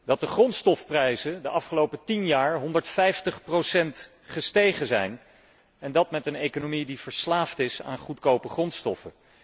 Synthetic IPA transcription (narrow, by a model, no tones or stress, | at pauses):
d̥ɑt̚dəχrɔnstɔfprɛjzədəʔɑfχəlowpətinjaːɹɦɔndəɹtfɛjftəχprowsɛnt | χəstejχəzɛjn | ɛndɑtmɛtənekonomidiv̥əɹslaːftɪsa̰ːnχutkowpəχrɔnstɔfə